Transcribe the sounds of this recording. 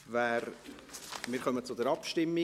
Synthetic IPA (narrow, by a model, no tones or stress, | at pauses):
væːɾ | mɪːɾχœmət͡sʊdəɾɑpʃtɪmːi